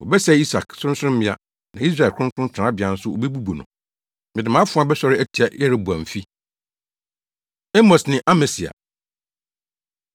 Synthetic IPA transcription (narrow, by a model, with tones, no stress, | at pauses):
wɔ˨bɛ˦sɛ˦i˦sa˨ksʊ̃˦sʊ˦ʊ̃˦mɪ̃˦a˦ | nã˨i˦s̬ɾa˨kʰʊ̃˦n˦tʰʊ̃˦n˦tʰã˦bɪ˨ã˨n̩˦sʊ˦ʔo̰˨bɛ˦bu˦bo˨nʊ̰̃˨ | mɪ̃˨dɪ̃˨mã˦fʊ̃˦ã˦bɛ˦sɔ˨˦ɾɪ˦æ˦tʰi˨a˨jɛ˦ɾe˨ba̰˨m̩˨fi˦ | ɛ˦mɔ˨snɪ̃˨ʔa˦mɛ˨si˨a̰˨